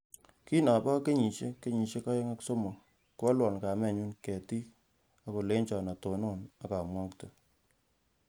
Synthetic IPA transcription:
ki˦na˨ba˦ke˦ɲi˨ʃe˦ke˦ɲi˨ʃe˦ka˦je˦ŋa˦kso˦mo˨ | ku˦a˦lwɔ˨nka˨mɛ˦˨ɲu˦nkɛ˨ti˦ | a˦ko˨le˦nt͡ʃɔ˨na˨to˨no˦˨na˨ka˨mwɔ˦ktə˨

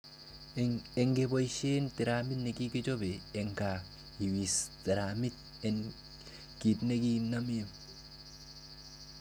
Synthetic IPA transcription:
e˨ŋɡebo˨jʃe˦nt̪i˨ɾami˦t̪ne˨ki˦ki˦t͡ʃo˦beː˨ŋka | i˨wi˨sti˨ɾa˨mi˦t̚ | e˨n | ki˨t̪ne˦ki˦na˦me˦m

